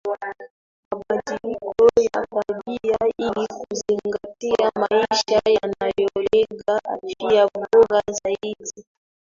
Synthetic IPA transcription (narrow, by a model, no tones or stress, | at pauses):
maɓadilikɔja̰faɓiailikuziŋŋɡatiamaiʃajanajɔlɛɡaʔa̰fiavɔɾazaidi